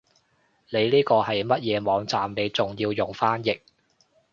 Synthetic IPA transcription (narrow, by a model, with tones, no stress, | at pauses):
ne˨˧jliː˥kɔː˧hɐ˨jmɐ˥t̚jɛː˨˧mɔː˨˧ŋt͡saː˨mne˨˧jt͡sʊ˨˩ŋjiː˧wjʊ˨˩ŋfaː˥njɪ˨k̚